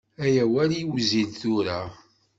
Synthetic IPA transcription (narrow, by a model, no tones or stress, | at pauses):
æjæwæɾiwzilθʊɾa